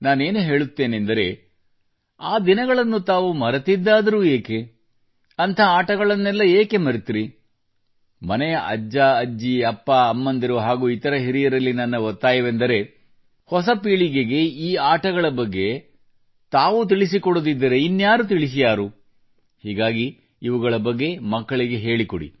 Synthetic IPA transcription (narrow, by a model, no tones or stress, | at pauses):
naːne̞ːnuɦe̞ːɭut̪ːe̞ːnend̪ɐɾe̞̰ | aːd̪inɐɡɐɭɐnːut̪aːʋumɐɾɐt̪id̪ːaːd̪ɐɾuːeːke | ɐnt̪ʰɐaːʈɐɡɐɭɐnːɛlːɐeːke̞mɐɾit̪iɾi | mɐnɛjɐʔɐ̰d͡ʒːaːɐd͡ʒːiɐpːaːɐmːɐnd̪ɐɾuɦaːɡuːit̪ɐɾɐɦiɾijɐɾɐlːinɐnːɐʋɔt̪ːaːjɐʋend̪ɐɾe̞ | hɔsɐpiːɭiɡe̞ɡe̞iːaːʈɐɡɐɭɐbɐɡːe̞ | t̪aːʋut̪̬iɭis̬ikɔɽod̪id̪ːɐɾe̞inːjaːɾut̪̬iɭis̬ijaːɾu | hiːɡaːɡiː | ʋuɡɐɭɐbɐɡːe̞mɐkːɐɭiɡe̞ɦe̞ːɭikoɽḭ